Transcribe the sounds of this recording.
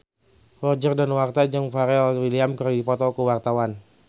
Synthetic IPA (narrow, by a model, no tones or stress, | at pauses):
wɔrd͡ʒərdanwart̪ad͡ʒaŋfaɾɛɔlwiliamkərdipɔt̪ɔkəwart̪awan